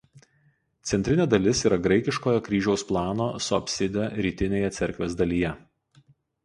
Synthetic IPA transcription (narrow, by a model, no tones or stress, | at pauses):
t̪sʲɛnʲt̪ʲɾʲɪnʲeːd̪ɐlʲɪsiːɾɐɡɾɐɪkʲɪʃkoːjokɾʲiːʒʲɛʊsplˠɑːnoːsɔ̰pʲsʲɪd̪ʲɛɾʲiːt̪ʲɪnʲeːjɛt̪sʲɛɾʲkʋʲeːzd̪ɐlʲiːjɛ